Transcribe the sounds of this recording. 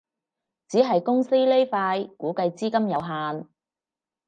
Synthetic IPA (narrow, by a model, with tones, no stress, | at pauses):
t͡siː˨˥ɦɐ˨jkʊ˥ŋsi˥le˥jfaː˧jkuː˨˥kɐ˧jt͡siː˥kɐ˥mjɐ˨˧wɦaː˧n